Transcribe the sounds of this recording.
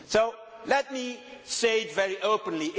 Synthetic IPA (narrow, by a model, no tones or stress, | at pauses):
solɛt̚misedvɛɹiʔoʊpə̃nliʔ